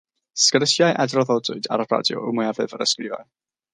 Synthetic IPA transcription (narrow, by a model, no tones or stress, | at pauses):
skəɾəsjajʔɛdrɔðɔdʊɨda̰ɾəbra̰djɔ̰ʊmʊjavɨvəɾəskrɪva̰ɨ